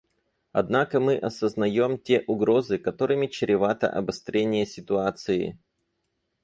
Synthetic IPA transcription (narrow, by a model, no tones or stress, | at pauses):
ɐ̰d̪nakəmɨʔɐsəznɐjo̞mtʲeʔʊɡɾo̞zɨkɐt̪o̞ɾɨmʲɪt͡ɕɪɾʲɪvat̪ə̰ʔɐ̰bɐst̪ɾʲenʲɪjəsʲɪt̪ʊat̪sɨɪ̰